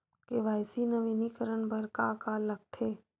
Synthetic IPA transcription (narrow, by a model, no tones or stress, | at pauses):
keʋaːɪsinəʋiːnikəɾəɳbʱəɾkaɐkaːlːəɡ̚t̪ʰeː